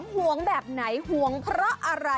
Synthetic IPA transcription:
mhu˨˩˦əŋbɛː˨˩p̚na˩˦jhu˨˩˦əŋpʰɾɔ˦˥ʔa˧ɾa˧

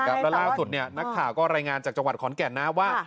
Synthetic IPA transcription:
ka˦˥lɛ˦˥laː˥˩su˨˩t̪̚ni˥˩ɐna˦˥k̚t̪ʰaː˨˩wkɔː˥˩ɾaː˧jŋaː˧nt͡ɕaː˨˩k̚t͡ɕa˧wa˨˩t̪̚kʰɔː˩˦nkɛ˨˩nːa˦˥waː˥˩

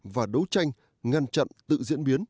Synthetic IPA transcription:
vaː˨˩ɗə˨˦wt͡ɕa˧jŋ̟ | ŋa˧nt͡ɕa̰˧˨nt̪ɨ̰˧˨zḭ˧˥ənɓi˨˦ən

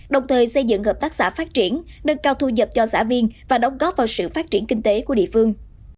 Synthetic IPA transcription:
ɗə˨˩wŋ͡mt̪ʰəː˨˩jsə˧jzɨ̰˧˨ŋɦəː˨˩p̚t̪aː˦˥k̚sa̰ː˧˥faː˦˥t̚t͡ɕi˧˩ənːə˧nkaː˧wt̪ʰu˧zə˨˩p̚t͡ɕɔ˧sa̰ː˧˥vi˧ənvaː˨˩ɗə˨˦wŋ͡mɣɔ˦˥p̚vaː˨˩wsɨ̰˧˨faː˦˥t̚t͡ɕi˧˩ənkï˧ŋ̟t̪e˨˦ku˧˩əɗḭ˧˨fɨ˧əŋ

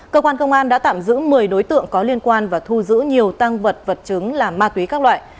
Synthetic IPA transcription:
kəː˧kwaː˧nkə˧wŋ͡mʔaː˧nɗa̰ː˧˥t̪a̰ː˧˨mzɨ̰˧˥mɨ˨˩əjɗo˨˦jt̪ɨ̰˧˨əŋkɔ˨˦li˧ənkwaː˧nvaː˨˩t̪ʰu˧zɨ̰˧˥ɲi˨˩əwt̪a˧ŋvə˨˩t̚və˨˩t̚t͡ɕɨ˨˦ŋlaː˨˩maː˧t̪wi˨˦kaː˦˥k̚lwa̰ː˧˨j

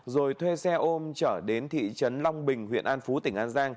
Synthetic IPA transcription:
zo˨˩jt̪ʰwe˧sɛ˧ʔo˧mt͡ɕəː˧˩ɗe˨˦nt̪ʰḭ˧˨t͡ɕə˨˦nla˧wŋ͡mɓï˨˩ŋ̟ɦwḭ˧˨ənʔaː˧nfu˨˦t̪ï˧˩ŋ̟ʔaː˧nzaː˧ŋ

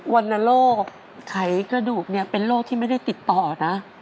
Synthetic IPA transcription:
wa˧nːa˧loː˥˩kk̚ʰː | a˩˦jkɾa˧duː˨˩k̚ni˥˩ɐpe˧nloː˥˩k̚t̪ʰiː˥˩ma˥˩jda˥˩jt̪i˨˩t̪ːɔː˨˩na˦˥

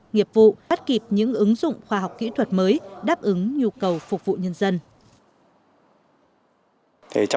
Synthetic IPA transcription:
ŋi˨˩əp̚vṵ˧˨a˦˥t̚ki˨˩p̚ɲɨ̰˧˥ŋʔɨ˨˦ŋzʊ̰˧˨ŋ͡mxwaː˧ɦa˨˩wk͡p̚kḭ˧˥t̪ʰwə˨˩t̚məː˨˦jɗaː˦˥p̚ʔɨ˨˦ŋɲu˧kə˨˩wfʊ˨˩k͡p̚vṵ˧˨ɲə˧nzə˧n | t̪ʰḛ˨˩t͡ɕ

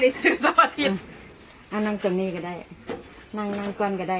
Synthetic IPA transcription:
da˧˩jsɯ˧˦sa˧maː˧t̪ʰi˧˩t̚ | ʔa˧˩na˧ŋt̪ɨ˧˩əŋniː˧kaː˧˩da˧˩j | na˧˩ŋna˧ŋku˧ənka˧˩da˧˩

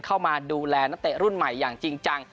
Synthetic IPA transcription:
kʰa˥˩wmaː˧duː˧lɛː˧na˦˥t̪e˨˩ɾu˥˩nma˨˩jːaː˨˩ŋt͡ɕi˧ŋt͡ɕa˧ŋ

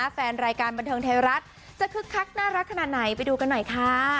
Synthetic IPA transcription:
a˦˥fɛː˧nɾaː˧jkaː˧nba˧nt̪ʰɤː˧ŋt̪ʰaː˧wɾa˦˥t̪̚ | t͡ɕa˨˩kʰɯ˦˥kʰːa˦˥k̚naː˥˩ɾa˦˥t̪̚kʰa˧naː˨˩t̪̚na˩˦jpa˧jduː˧ka˧nːɔ˨˩jkʰaː˦˥˩

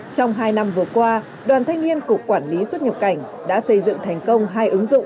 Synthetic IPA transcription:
t͡ɕɔ˧wŋ͡mɦaː˧jna˧mvɨ˨˩əkwaː˧ | ɗwaː˨˩nt̪ʰa˧jŋ̟ni˧ənkʊ˨˩k͡p̚kwaː˧˩nli˨˦swə˥t̚ɲə˨˩p̚ka˧˩jŋ̟ | ɗa̰ː˧˥sə˧jzɨ̰˧˨ŋt̪ʰɛ˨˩jŋ̟kə˧wŋ͡mɦaː˧jʔɨ˨˦ŋzʊ̰˧˨ŋ͡mʔ

